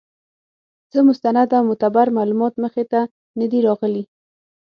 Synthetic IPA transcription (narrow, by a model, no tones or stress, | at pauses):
z̥əmʊst̪anad̪amʊt̪abaɾmalumɑt̪məxet̪a | nəd̪iɾɑɣəli